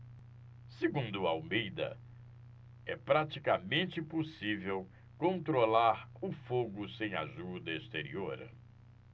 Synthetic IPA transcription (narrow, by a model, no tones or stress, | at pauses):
seɡũnd̪ʊaawmejd̪ɐ̰ | ɛpɾat͡ʃikɐmẽnt͡ʃɪposivew | kõnt̪ɾolaɾʊfoɡʊsẽj̃a̰ʒud̪ɐest̪eɾḭoɾ